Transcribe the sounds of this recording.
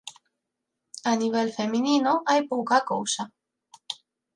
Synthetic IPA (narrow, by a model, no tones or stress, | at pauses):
aniβ̞elfe̞mĩninoajpokakowsa